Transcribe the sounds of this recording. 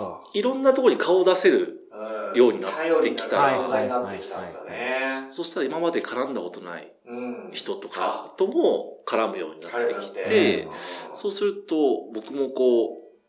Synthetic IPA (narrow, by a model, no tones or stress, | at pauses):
iɾõ̞nːat̪okooɲikʰao̞d̪ase̞ɾɯ̟ | jo̞ːɲ̟inat̪ːe̞kʲi̥t̪aaekʲt̪anso̞ɕi̥t̪aɾaimamad̪e̞kʰaɾãnd̪ako̞t̪o̞na̰ḭ | çi̥t̪o̞t̪o̞ka̰t̪o̞mo̞kaɾamɯ̟jo̞̰ːɲ̟inat̪ːe̞kʲi̥t̪e̞so̞ːsɨɾɯ̟t̪o̞bo̞kɯ̟mo̞ko̞ː